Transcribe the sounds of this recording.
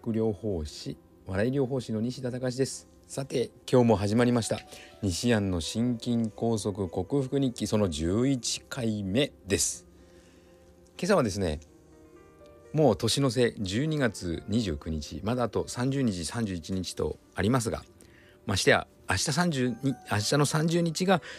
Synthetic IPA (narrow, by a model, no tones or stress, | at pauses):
kɯ̟ɾʲo̞ːho̞ːɕi | βaɾaiɾʲo̞ːɦo̞ːɕino̞ɲ̟iɕid̪at̪akaɕ̬id̪e̞sɨ̥ | sat̪e̞kʲo̞ːmo̞ɦaʑimaɾʲimaɕi̥t̪a̰ɲ̟iɕiãnːo̞ɕĩŋkʲĩŋko̞ːso̞kɯ̟ko̞kɯ̟ɸɯ̟̥kɯ̟ɲ̟ĩkʲːiso̞no̞d͡ʑɨːit͡ɕi̥kʰaime̞d̪e̞sɨ̥ | ke̞saβ̞ad̪e̞sɨne̞̰ | mo̞ːt̪o̞ɕino̞s̬e̞d͡ʑɨːɲ̟iɡat͡sɨɲ̟iʑɨ̰ːkɯ̟ɲ̟it͡ɕḭmad̪aːt̪o̞sãɲ̟d͡ʑɨːɲ̟it͡ɕisãɲ̟d͡ʑɨːit͡ɕiɲ̟it͡ɕi̥t̪o̞̰ | aɾʲimas̬ɨɡa̰ | maɕi̥t̪ea̰ːɕi̥t̪as̬ãɲd͡ʑiaɕi̥t̪ano̞sãɲ̟d͡ʑɨːɲ̟it͡ɕiɡa